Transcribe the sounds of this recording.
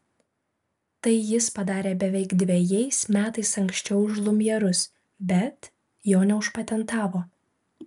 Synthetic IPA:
t̪ɐɪjɪspɐd̪ɑːɾʲeːbʲɛʋʲɛɪɡd̪ʲʋʲejɛɪsmʲæːt̪ɐɪsɐŋksʲt͡ʃʲɛʊʒlˠʊmʲjɛɾʊs | bʲɛt̪ | joːnʲɛʊʃpɐt̪ʲɛnt̪ɑːʋoː

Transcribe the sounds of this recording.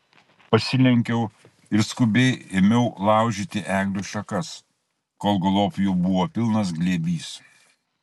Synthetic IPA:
pɐsʲɪlʲɛŋʲkʲɛʊ | ɪɾskʊbʲɛɪɪmʲɛʊlˠɑˑʊʒʲit̪ʲɪʔæːɡlʲʊʃɐkɐs | koːlˠɡɐlˠoːpjuːbʊʋoːpʲɪlˠnɐsɡlʲeːbʲiːs

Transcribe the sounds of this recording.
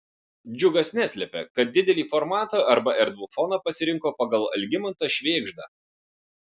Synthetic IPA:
d͡ʒʲʊɡɐsnʲæsʲlʲɛpʲɛ̰kɐt̪̚d̪ʲɪd̪ʲɛlʲiːfɔɾmɑːt̪ɑːɐɾbɐʔɛɾd̪ʋʊfɔnɑːpɐsʲɪɾʲɪŋkoːpɐɡɐlˠɐ̰lʲɡʲɪmɐnt̪ɑʃʲʋʲeːɡʒd̪ɑ

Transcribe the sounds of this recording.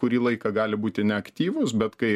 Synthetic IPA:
kʊɾʲiːlˠɐɪkɐɡɑːlʲɪbuːt̪ʲɪnʲɛɐkt̪ʲiːʋʊsbʲɛt̪kɐɪ

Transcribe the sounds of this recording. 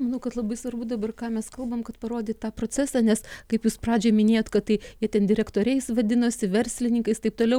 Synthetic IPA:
mɐnɐʊkɐt̪lˠɐbɐɪsʋɐrbʊd̪ɐbɐrkɑːmʲɛskɐlˠbɐmkɐt̪pɐɾoːd̪ʲeːt̪ɑːpɾoːt͡sʲæsɑːnʲɛskɐɪpjuːsprɑːd͡ʒʲeːmʲɪnʲeːjoːt̪kɐt̪t̪ɐɪjiɛt̪ʲɛnd̪ʲɪɾʲɛkt̪oːɾʲɛɪsʋɐd̪ʲɪnoːsʲɪʋʲɛɾʲsʲlʲɪnʲɪŋkɐɪst̪ɐɪp̚t̪oːlʲɛʊ

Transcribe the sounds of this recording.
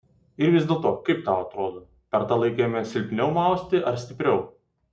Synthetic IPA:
ɪɾʋʲɪzʲd̪ʲeːlˠt̪oːkɐɪp̚t̪ɑːʊɐt̪ɾoːd̪oː | pʲɛɾt̪ɑlˠɐɪkʲeːjmʲɛsʲɪlʲpʲnʲɛʊmɑˑʊsʲt̪ʲɪʔɐɾsʲt̪ʲɪpʲɾʲɛʊ

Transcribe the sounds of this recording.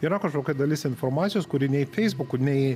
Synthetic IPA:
iɾɐkɐʃkoːkʲɛd̪ɐlʲɪsɪnfoɾmɑːt̪sʲɪjoːskʊɾʲɪnʲɛɪfʲɛɪzbʊkʊnʲɛɪ

